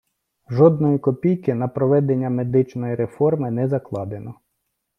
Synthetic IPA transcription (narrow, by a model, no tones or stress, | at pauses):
ʒɔd̪̚nɔjikɔpʲijkɪnɐpɾɔʋɛd̪enʲːɐme̞d̪ɪt͡ʃnɔjiɾe̞fɔrmɪnɛzɐklˠɑd̪enɔ